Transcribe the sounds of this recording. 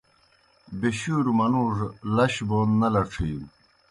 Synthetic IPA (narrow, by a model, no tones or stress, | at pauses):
beɕuːɾumɐnuːʐlɐɕboːnːɐlɐʈ͡ʂʰiːm